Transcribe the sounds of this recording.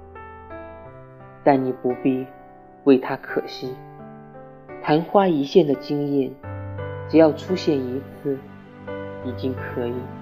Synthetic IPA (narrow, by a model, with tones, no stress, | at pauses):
t̪a˥˩nni˨˩pu˧˥pi˥˧ | we˥˩ɪt̪ʰa˥kʰɤ˨˩ɕi˥˩ | t̪ʰa˧˥nxwa˥i˧˥ɕjɛ˥˩nd̪ə˩t͡ɕi˥ŋjɛ˥˩nʈ͡ʂɻ̩˨˩jɑ˥˩ʊʈ͡ʂʰu˥ɕjɛ˥˩ni˧˥t͡sʰɹ̩˥˩ | i˨˩t͡ɕi˥ŋkʰɤ˧˥i˨˩˦